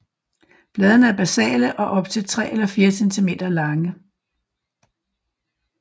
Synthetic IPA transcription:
b̥lɛːð̞ˠnəæɐb̥æsɛ̰ːləʔɒ̽ʔɒ̽b̥̚t͡sʰe̝lt͡sʰʁɛ̰ːelɐfiːɐsent͡sʰime̝̰ːd̥ɐlɑ̈ŋə

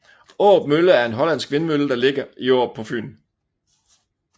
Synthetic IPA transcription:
ɔ̰ːb̥̚møləæɐe̝nɦɒ̽læn̰sɡ̥ʋe̝nəmøləd̥ɑ̈le̝ɡ̥ɐʔiɒ̰ːb̥̚pʰɒ̽fy̰ːn

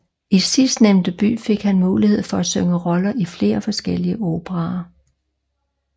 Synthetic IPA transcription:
isisd̥neʊnd̥əb̥y̰ːfe̝ɡ̥hænmuːlihe̝ð̞̰ˠfɒ̽æsøŋəʁɒ̽lɐʔifle̝̰ːɐfɒ̽sɡ̥el̰iəʔoːb̥ʰəʁɑ̈

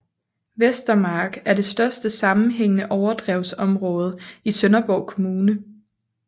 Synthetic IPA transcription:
ʋesd̥ɐmɑ̈ːɡ̥æɐd̥e̝sd̥ɶɐsd̥əsɑ̈mn̩ɦeŋ̰ənəʔɒʊɐd̥ʁɛʊsɒ̽mʁɔ̽ːð̞ˠəisønɐb̥ɒʊ̰kʰo̝muːnə

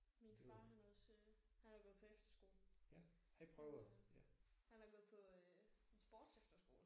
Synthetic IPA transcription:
minfɑ̈ːɦɑnɔð̩ˠsi | hænhɑb̥leðˠpʰɒ̽efd̥ɐ̥sɡ̥o̝ːln̩jæ | hɑd̥ipʰʁœʊjæhænæb̥le̝ð̩ˠpʰɒ̽ensb̥oːd̥sefd̥ɐsɡ̥o̝ːl

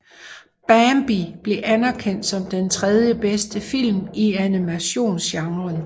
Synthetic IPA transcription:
b̥æmb̥ib̥le̝ʔænæɐkʰen̰d̥sɒ̽md̥ent͡sʰʁɛð̞ˠjəb̥esd̥əfil̰miænimæɕo̝̰ːnsɕɑ̈ŋʁɐn

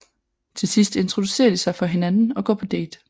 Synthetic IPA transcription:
t͡sʰe̝lsisd̥e̝nt͡sʰʁo̝d̥use̝̰ːɐd̥isɑ̈ɪfɒ̽ɦe̝nænn̩ɒ̽ɡ̥ɒ̰ːpʰɒ̽d̥ḛːd̥

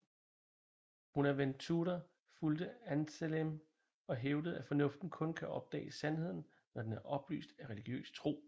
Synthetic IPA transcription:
hunæɐʋen̰d̥̚t͡sʰuɾɐ | fuld̥əænselem | ɒ̽ɦeʊdəð̞̩ˠæfɒ̽nɔ̽fd̥n̩kʰɔ̽nkʰæʔɒ̽b̥̚d̥ɛ̰ːsænhe̝ð̰ˠn̩ | nɒd̥enæɐʔɒ̽b̥ly̰ːsd̥æʁɛliɡ̥jø̰ːst͡sʰʁo̝̰ː

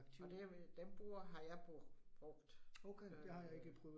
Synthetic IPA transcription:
ɡ̥t͡sʰiɒ̽d̥eʋd̥emb̥o̰ːɐɦɑ̈jɑ̈ɪb̥b̥ʁɔɡ̥d̥oʊkʰed̥ehɑ̈jɑ̈e̝ɡ̥əpʰʁœːʊ

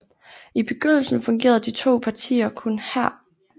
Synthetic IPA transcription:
ib̥e̝ɡ̥øn̰l̩sn̩fɔ̽ŋɡ̥e̝̰ːɐðˠd̥it͡sʰo̝̰ːpʰɑ̈t͡sʰḭːɐkʰɔ̽nhæɐ̰

